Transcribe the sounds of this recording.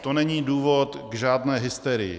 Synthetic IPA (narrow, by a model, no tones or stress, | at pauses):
t̪onɛɲiːduːvo̞t̪ɡʒaːdnɛːɦɪst̪ɛɾɪjɪ̰